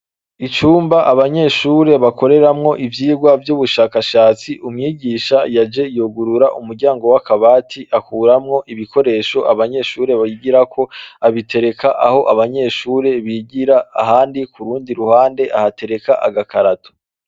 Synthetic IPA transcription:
it͡ʃuːmbaʔaβaɲe̞ʃuːɾe̞βako̞ɾe̞ɾamŋo̞ʔivjiːɡwavjuːβuʃaːkaʃaːt͡siʔumŋiːɟiːʃajad͡ʒe̞jo̞ɡuɾuɾaʔumuɾɟaːŋɡo̞wakaβaːtʰiʔakuːɾamŋo̞ʔiβikʰo̞ɾe̞ːʃoʔaβaɲe̞ʃuːɾe̞βajiɟiɾakʰo̞aβitʰe̞ɾe̞kʰaʔaho̞ʔaβaɲe̞ːʃuːɾe̞βiɟiɾaːɦaːndikuɾuːndiɾuhaːnde̞ʔahate̞ɾe̞kaʔa̰ɡakaɾatʰo̥

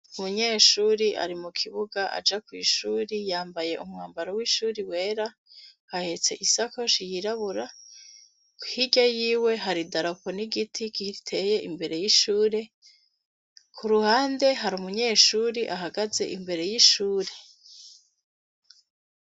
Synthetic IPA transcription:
umuɲe̞ːʃuːɾiʔa̰ɾimukʰiβuɡaʔa̰d͡ʒakwḭːʃuːɾijaːmbaje̞ʔumŋaːmbaɾowiʃuːɾiwe̞ːɾa | hahe̞t͡se̞̰ʔisakoʃijiɾaβuɾa | kuhiɟajiːwe̞ɦaɾidaɾaponiɡitʰikitʰe̞je̞ʔimbe̞ɾe̞jiʃuːɾe̞ | kʰuɾuhaːnde̞ɦaɾumuɲe̞ːʃuːɾiʔaɦaɡaze̞̰ʔimbe̞ɾe̞jiʃuːɾe

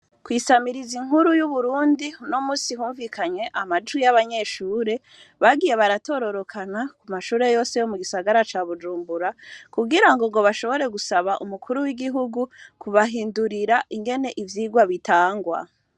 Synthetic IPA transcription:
kwiːsamiɾiziŋuɾujuβuɾuːndinomuːsihuːɱvikʰaɲwe̞ʔamad͡ʒwijaβaɲe̞ʃuːɾe̞ | βaɡije̞βaɾato̞ɾo̞ɾo̞kʰanakumaʃuːɾe̞jo̞ːsejo̞muɡisaɡaɾat͡ʃaːβud͡ʒuːmbuɾakuɡiɾaŋɡoɡo̞βaʃo̞βo̞ɾe̞ɡusaβaʔumukʰuɾuwiɡiɦuɡukuβaɦiːnduɾiɾaʔiŋɡe̞ne̞ʔivjiːɡwaβitaːŋɡwa̰

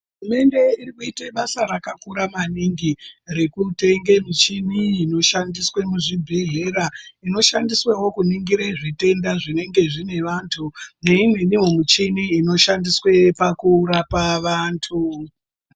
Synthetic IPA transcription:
ɦurume̞nde̞irikuiteɓasaɾakakuɾamaniŋɡire̞kute̞ŋɡe̞mit͡ʃiniːno̞ʃandiswe̞muʐibʱeɦeɾaino̞ʃandiswewo̞kuniŋɡiɾeʐite̞ndaʐine̞ŋɡe̞ʐine̞ʋantʰune̞in̤eniwomit͡ʃiniːno̞ʃandiswe̞pakurapaʋaːntʰu

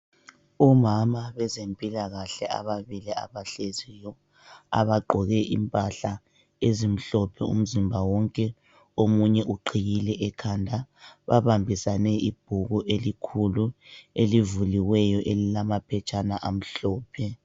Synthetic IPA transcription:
umamaβɛzempʼilaɣaɬɛa̰βaβilia̰βaɬezijɔ | a̰βaɡ͡ǃʱɔɣɛʔḭmpʼaɬa | ezim̩ɬɔpʰɛṵm̩zimbʱawɔŋkʼɛ | omuɲɛʔuǃʰijilɛʔɛkʰandʱaβa̰βambʱisanɛʔib̥̚ʱuɣuʔelikʰuluelivuliwɛjɔʔelilamapʰɛt͡ʃʼanaʔam̩ɬɔːpʰɛ

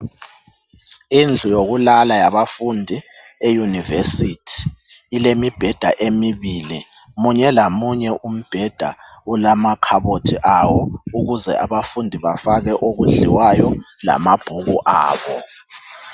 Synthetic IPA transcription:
ind͡ɮʱujoɣulalajaβafundʱi | ejunivesitʰi̥ː | lemib̥ʱɛd̥ʱa̰ʔemiβili | muɲɛlamuɲɛʔum̩b̥ʱɛd̥ʱa̰ulamakʰaβotʰiʔawɔuɣuzɛ̰ʔaβafundʱiβafaɣɛʔoɣuɮḭwajɔ | la̰mab̥ʱuɣuʔa̰ːβɔ

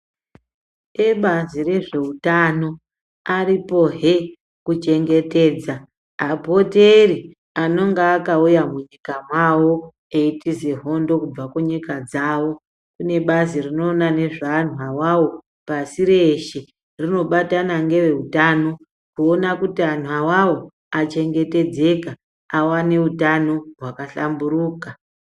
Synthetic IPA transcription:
eɓazire̞ʐe̞utano̞ | aɾipo̞ɦe | kut͡ʃe̞ŋɡe̞te̞ːd͡zaː | bʱo̞teri | ano̞ŋɡaːkaujamuɲikamwawo̞ | eitize̞ɦo̞ndo̞kub͡vakuɲikad͡zawo̞ | kune̞ɓazirino̞ːnane̞ʐanwawawo̞ | pasiɾeʃe | rino̞ɓatanaŋɡe̞ʋe̞utano̞ | kuonakutian̤wawawo̞ | at͡ʃe̞ŋɡe̞te̞d͡ze̞ka | awane̞utano̞rwakaɬambuɾuːka

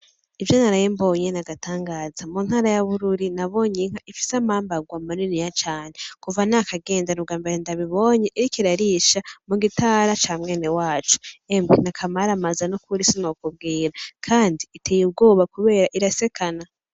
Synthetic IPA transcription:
ivjo̞naɾajembo̞ːɲenaɡatʰaːŋɡaːzamun̥haːɾajaβuɾuɾinaβo̞ɲiŋ̥aʔifi̥samaːmbaɡwamaninijat͡ʃaːnekuvanakaɡe̞ːndanub̚ɡaːmbeɾendaβiβo̞ːɲe̞ʔiɾikiɾaɾiʃamuɡitʰaːɾat͡ʃaːmŋe̞ːne̞waːt͡ʃu̥emɡinakʰamaɾamazanukuɾisinokub̚ɡiːɾakʰaːndiːtʰejub̚ɡo̞ːβakuβe̞ːɾaʔiɾase̞kʰana

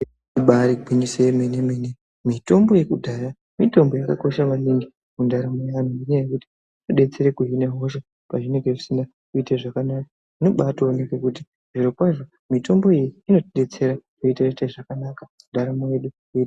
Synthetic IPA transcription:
uɓaɾiɡʱwiɲiseemenemene | mito̞mbo̞je̞kudʱaja | mito̞mbo̞jakako̞ʃaʋaniŋɡi | mundaɾamojean̤uninejekuti̥ | oɗe̞t͡se̞ɾekuɦineɦo̞ʃ̬a | paʐine̞ŋɡeʐisinda | kuiteʐakanaka | ino̞ɓatoonekekuti | ʐ̥iɾo̞pwaʐo̞ | mito̞mbo̞ijiino̞ɗe̞t͡se̞ɾaruitaritaʐakanaka | undaɾamojeɗu | i

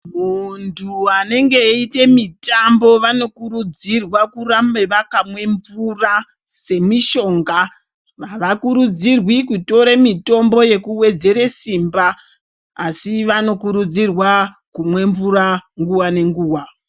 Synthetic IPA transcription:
muntʰuane̞ŋɡe̞ite̞mitambo̞ʋano̞kuɾud͡zirwakurambeʋakamwe̞ɱvura | se̞miʃo̞ːŋɡa | ʋaʋakuɾud͡zirwikuto̞ɾemito̞mbo̞je̞kuwe̞d͡ze̞ɾesimbaː | siʋano̞kuɾud͡zirwa | kumwe̞ɱvuɾaŋɡuwane̞ŋɡuːwa

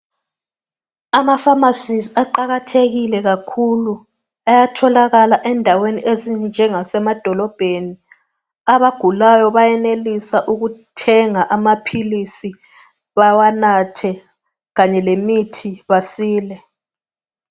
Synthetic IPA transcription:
amafamasisiaǃaɣatʰeɣilɛɣakʰulu | ajatʰɔlaɣalaʔɛndʱaweniʔezind͡ʒʱɛŋasɛmad̥ʱɔlɔb̥ʱeni | aβaɡ̥ʱulajɔβajɛnelisaʔuɣutʰɛŋaʔamapʰilisi | βawanatʰɛ | ɣaɲɛlemitʰiβasiːlɛ

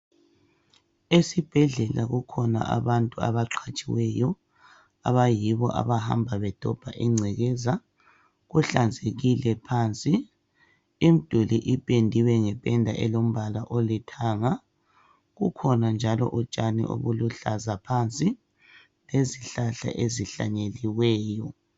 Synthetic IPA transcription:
esib̥ʱɛɮɛla̰ɣukʰɔna̰ʔa̰βantʼua̰βaǁʰat͡ʃʼiwɛjɔ | aβajiβɔʔa̰βaha̰mbʱaβɛd̥ʱɔb̥ʱa̰ʔiŋ͡ǀʱɛɣɛza | ɣuɬand͡zʱeɣilɛpʰaːnt͡sʼi | im̩d̥ʱuliʔipʼendʱiwɛŋɛpʼɛndʱaʔɛlom̩βalaʔolitʰaːŋa | ɣukʰɔnand͡ʒʱalɔ̰ʔut͡ʃʼanḭʔo̰βuluɬazapʰant͡sʼi | leziɬaɬa̰ʔeziɬa̰ɲeliwɛːjɔ

